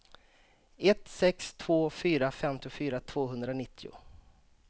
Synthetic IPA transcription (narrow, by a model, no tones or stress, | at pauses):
ɛt̪sɛkst̪ʰv̥oːfyːɾafɛmt̪ɪʊfyːɾat̪ʰv̥oːɦɵnd̪ɾanɪt̪ʰːɪʊ̰